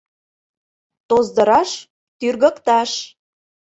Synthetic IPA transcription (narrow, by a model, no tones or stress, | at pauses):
t̪ozd̪ə̆ɾɑʃ | t̪yrɣə̆kt̪ɑʃ